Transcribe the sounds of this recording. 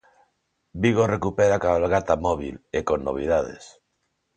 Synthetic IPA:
biɣ̞orekupeɾakalɣat̪amoβ̞ḭlekonːo̰β̞ið̞að̞ḛs

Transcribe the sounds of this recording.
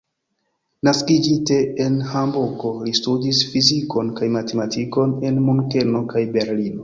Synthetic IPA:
naskid͡ʒite̞enhambuko̞listudisfiziko̞nkajmate̞matiko̞ne̞nmuŋke̞no̞kajbe̞ɾlino̞

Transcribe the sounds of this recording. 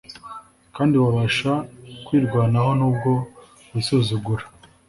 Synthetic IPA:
kaːndiβaβaʃakwiːɾɡwaːnaɦo̞nuːbɡo̞ | βisuzuɡuɾa

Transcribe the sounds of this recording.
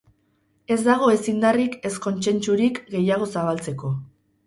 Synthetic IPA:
e̞zd̪aɣ̞o̞e̞sind̪arike̞sko̞nt͡se̞nt͡suɾikɡe̞jaɣ̞o̞saβ̞alt͡se̞ko̞

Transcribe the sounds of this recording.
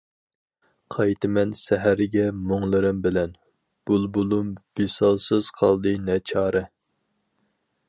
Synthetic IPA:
qʰɑjt̪ʰɨmɛnsɛɦæɾɪɡʲɛmoŋlˠɨɾɨmbɪlɛn | b̥ulˠbulˠumvesɑlˠsɨz̥qʰɑlˠd̪ɨnɛt͡ʃʰɑːɾɨ

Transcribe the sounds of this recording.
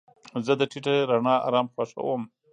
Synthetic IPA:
zəd̪əʈʰiʈeɾaɳɑɑ̰ɾɑmxwaʂa̰wəm

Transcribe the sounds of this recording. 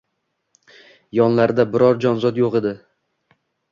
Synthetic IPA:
jɒnlaɾd̪abɪɾɒɾd͡ʒɒnzɒd̪joqe̞d̪ɪ

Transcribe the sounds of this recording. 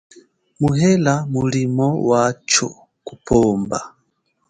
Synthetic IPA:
muɦɛlamulimɔwat͡ʃɔ̰ | kupʰɔːmba̰

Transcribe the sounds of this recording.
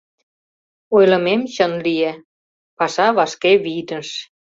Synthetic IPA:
ojlɤ̆memɕə̆nlije | pɑʃɑβɑʃkeβit̪ə̆nʃ

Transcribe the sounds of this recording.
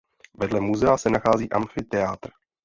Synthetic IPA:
vɛdlɛmuzɛasɛnaxaːziːʔamfɪt̪ɛat̪r

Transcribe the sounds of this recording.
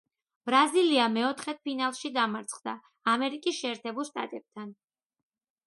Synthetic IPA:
b̥ɾaziliamɛɔt̪ʰχɛt̪̚pʰinalˠʃid̪amaɾt̪sʰχd̪aː | mɛɾikʼisʃɛːɾt̪ʰɛbulˠʃt̪ʼa̰t̪ʼɛb̥̚t̪ʰan

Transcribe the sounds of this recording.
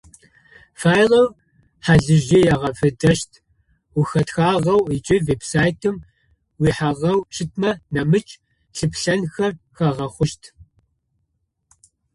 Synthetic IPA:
faːjlɐw | ħaɮɨʒijaʁɐfɨdɐʃtʰ | uxɐtxaːʁɐwit͡ʃʼɪveːbsaːjtʰɨm | wiːħaʁɐwʈ͡ʂʰɨtʰmɐnɐmɨt͡ʃʼ | ɬɨpɬɐnxɐr | xɐʁɐχʷʊʃtʰ

